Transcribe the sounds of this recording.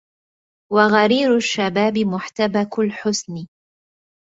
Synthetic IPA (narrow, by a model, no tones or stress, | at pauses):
waɣaɾiːɾʊʃːabaːbɪmʊħt̪abaklħʊsn